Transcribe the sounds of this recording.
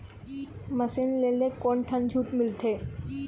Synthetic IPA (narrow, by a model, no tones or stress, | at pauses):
məsinlelekɔɳʈʰənd͡ʒʱuːʈmɪlt̪ʰe